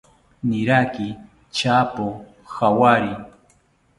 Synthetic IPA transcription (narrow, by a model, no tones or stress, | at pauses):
nɪɾakɪ | t͡ʃaːpo | xawaɾɪ